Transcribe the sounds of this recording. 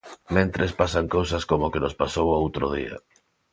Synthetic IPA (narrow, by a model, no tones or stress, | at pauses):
mẽnt̪ɾespasaŋkowsaskomokenospasowaowt̪ɾoð̞iɐ̰